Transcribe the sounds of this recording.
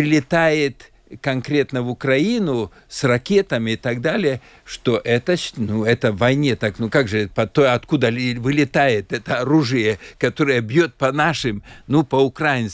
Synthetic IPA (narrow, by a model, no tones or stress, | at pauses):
ɾʲɪlʲɪt̪ajɪt̪ | kɐnkɾʲe̞t̪nəvʊkɾɐinʊ | srɐkʲe̞t̪əmʲɪːt̪aɡd̪alʲɪjə | ʂt̪oʔɛt̪əɕnuɛt̪əvɐjnʲet̪aknukaɡʐɨpɐt̪ojɐt̪kud̪əvɨlʲɪt̪ajɪt̪ɛt̪əɐɾuʐɨjəkɐt̪oɾɨjəbjot̪̚pɐnaʂɨmnupɐʊkɾajɪns